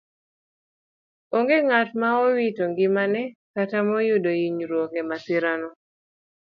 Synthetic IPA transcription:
oŋɡeŋatmaɔwitoŋɡɪmanɛkatamɔjʊdojiɲɾwokɛmatɪɾanɔ

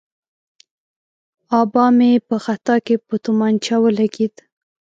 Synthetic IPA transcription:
ɑbɑmepəxat̪ɑkepət̪umɑnt͡ʃɑwəlaɡid̪

